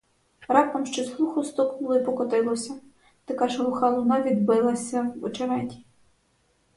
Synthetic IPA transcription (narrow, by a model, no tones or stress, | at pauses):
ɾɑp̚t̪ɔmʃt͡ʃɔslˠuxʊst̪ɔknʊlˠɔipɔkɔt̪ɪlˠɔsʲɐ | t̪ɐkɑʒɾʊxɑlˠɔnɑʋʲid̪bɪlˠɐsʲɐwɔ̰t͡ʃeɾɛtʲi̥